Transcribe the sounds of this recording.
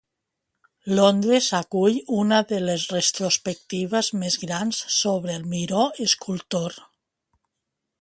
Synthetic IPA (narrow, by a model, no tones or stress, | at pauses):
lond̪ɾezakuʎunaðelesrest̪ɾospek̚t̪iβ̞azmezɣɾansːoβɾeːlˠmiɾoeskʰulˠt̪oɾ